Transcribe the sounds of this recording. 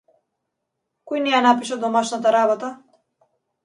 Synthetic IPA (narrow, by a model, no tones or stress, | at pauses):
kɔjnɛjanapiʃɛd̪ɔmaʃnat̪aɾabɔt̪a